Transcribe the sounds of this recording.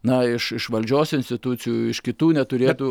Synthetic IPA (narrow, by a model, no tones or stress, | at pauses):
nɐɪʃɪʃʋɐlʲd͡ʒʲoːsɪnsʲt̪ʲɪt̪ʊt͡s̪ʲɪjuːɪʃkʲɪt̪uːnʲɛt̪ʊɾʲeːt̪uː